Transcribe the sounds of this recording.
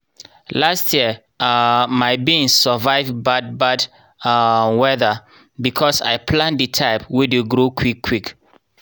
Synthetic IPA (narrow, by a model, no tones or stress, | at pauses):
lastʰjiə | maɪbĩnssəvaɪvbad̚bad | wɛðə | bikʰɔsa̰ɪpʰlãndətʰaɪpwideɡɹokʰwikʰːwik